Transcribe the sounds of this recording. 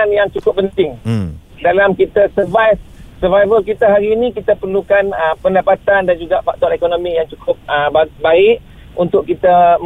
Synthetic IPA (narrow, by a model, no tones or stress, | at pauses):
anjaŋt͡ʃukʊp̚pːənt̪ɪŋ | dalamkit̪asəvajfsəvajvəlkit̪aɦaɾiːnĩkit̪əpərlukanəpəndapat̪andand͡ʒuɡaʔfak̚t̪ɔanekonõmĩjaŋt͡ʃukʰʊp̚əbabaɪʔ | unt̪ʊʔkit̪a